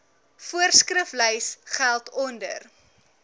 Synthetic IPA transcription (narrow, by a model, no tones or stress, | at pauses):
fuərskrəfləjsχælˠtɔndə̰r